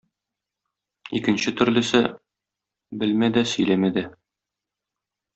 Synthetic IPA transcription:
ikɘ̆nɕɘt̪ɵ̆ɾlɘ̆sɘ | bɘlmæd̪æsɵ̆jlæmæd̪æ

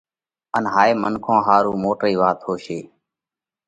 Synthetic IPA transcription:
ənɦaːeːmənkʰõːɦaːɾuːmoːʈɾiːʋaːt̪hoːʃeː

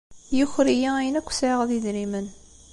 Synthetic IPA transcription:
jʊçɾijææjənækʷːsʕiʁðiðɾimən

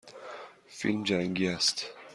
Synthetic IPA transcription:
fḭlmd͡ʒaŋɡiast̪

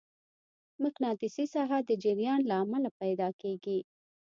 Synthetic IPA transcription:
mʊknɑt̪ɪsisɑɦad̪əd͡ʒɪɾjɑnlaːmalapajd̪ɑkeɡi

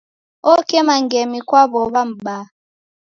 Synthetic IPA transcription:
okɛmaŋɡɛmikwaβɔβam̩ɓa

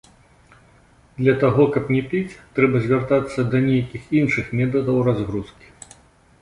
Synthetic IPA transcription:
d̪lʲɐt̪aɣɔkɐpnʲɛpʲit͡sʲt̪ɾɛbɐzʲvʲart̪at̪sːɐd̪ɐnʲejɐkʲixinʂɨxmʲɛt̪̬ɐd̪ɐwrazɣɾuskʲi̥

